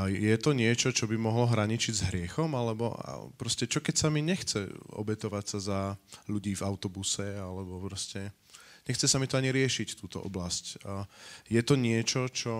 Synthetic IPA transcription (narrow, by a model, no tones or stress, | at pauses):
jɛt̪ɔɲɪɛt͡ʃɔt͡ʃɔbimɔɦlɔɦɾaɲit͡ʃiɟzɦɾɪɛxɔmalɛbɔ̰a̰pɾɔscɛt͡ʃɔkɛcsamiɲɛxt͡sɛɔ̰bɛt̪ɔʋacsazaʎuɟiːvaʊt̪ɔbusɛalɛbɔpɾɔscɛ | ɲɛxt͡sɛsamit̪ɔaɲiɾɪɛʃict̪uːt̪ɔ̰ʔɔ̰blasc | jɛt̪ɔɲɪɛt͡ʃɔt͡ʃɔ